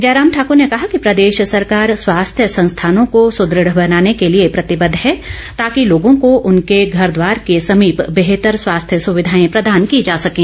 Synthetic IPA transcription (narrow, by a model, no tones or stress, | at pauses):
d͡ʒaːɾaːmʈʰaːkʊɾnekɐɦakipɾɐd̪eːʃsɐɾkaːɾswaːst̪ʰjəsɐ̃nst̪ʰaːnõkosʊd̪ɾɪɽbɐnaːnekeliepɾɐt̪ɪbəd̪ʱɦɛ | t̪aːkiloːɡõkoʔʊnkeɡʱɐɾd̪ʋaːɾkesɐmiːpbeɦt̪əɾswaːst̪ʰjəsʊʋɪd̪ʱaːẽpɾɐd̪aːnkid͡ʒaːsɐkẽː